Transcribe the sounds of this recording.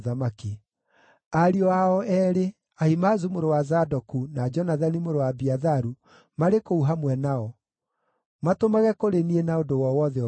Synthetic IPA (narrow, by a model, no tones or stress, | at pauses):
ðamaki | aɾiɔaɔʔɛɾe | aimazumoɾowazadɔkunad͡ʒɔnaðanimoɾowabiaðaɾu | maɾekouɦamwɛnaɔ | matomaɣɛkoɾenienaodowɔwɔðɛɔ